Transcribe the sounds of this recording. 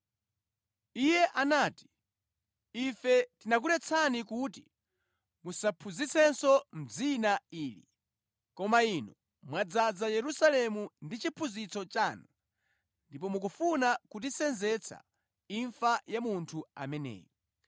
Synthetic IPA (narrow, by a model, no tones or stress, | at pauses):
ijɛʔanaːti̥ | ifɛtinak̬ulɛt͡sʰanikuti | musapʰuzisɛnsɔm̩d͡zinaiːlḭ | kɔmainɔ | mwad͡zad͡zajɛɾusalɛmundit͡ʃipʰuzit͡sɔt͡ʃaːnu | ndipɔmuk̬ufunakut̬isɛnzɛt͡sʰa̰ | iɱfajamuntʰua̰mɛnɛ̰ːjɔ